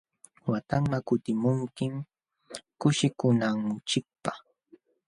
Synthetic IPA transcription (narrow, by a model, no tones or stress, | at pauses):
wat̪aŋmakʊt̪ɪmʊŋkɪm | kʊʃɪkʊnaŋt͡ʃɪk̚pa